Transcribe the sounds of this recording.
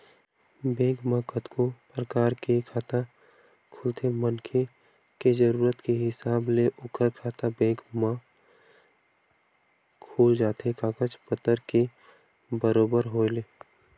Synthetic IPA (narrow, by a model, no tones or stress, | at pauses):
bẽːɡmãkət̪kopɾəkaːɾkekʰaːt̪a | kʰʊlt̪ʰemənkʰe | ked͡ʒəɾuːɾət̪keɦɪsaːbleʔʊkəɾkʰaːt̪abẽːkmã | kʰuːld͡ʒaːt̪ʰekaːkət͡ʃpət̪əɾke | bəɾoːbəɾɦoːeleː